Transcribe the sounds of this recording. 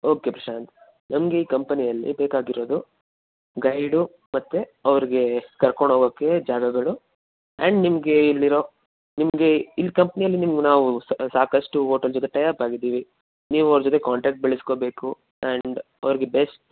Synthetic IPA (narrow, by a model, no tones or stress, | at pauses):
o̞ːke̞pɾɐʂaːnt̪ | nɐmɐɡe̞iːkɐmpɐnijɐlːḭbeːkaːɡiɾo̞ːd̪u | ɡɐjɖu | mɐt̪ːeɐʋɐɾiɡe̞kɐɾkoɳɖɦoːɡoːkːe̞d͡ʒaːɡɐɡɐɭu | ɛɳɖnimɐɡe̞ilːiɾo̞ | nimɐɡe̞ilːikɐmpɐnijɐlːinimɐɡenaːʋussaːkɐsʈuɦoːʈɐld͡ʒɔt̪̬e̞ʈɐjaːɾpaːɡid̪ːiːʋi | niːʋuɐʋɾɐd͡ʒɔt̪̬ekaːɳʈɾaːk̚ʈ̚beɭisko̞ːbe̞ːku | ɛɳɖ | ɐʋɐɾiɡe̞besʈ